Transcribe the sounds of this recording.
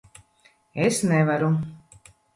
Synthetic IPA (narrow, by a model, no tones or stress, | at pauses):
esnɛvaɾu